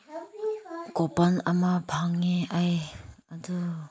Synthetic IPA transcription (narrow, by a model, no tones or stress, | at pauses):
kɔpanamabʱaŋːeajadu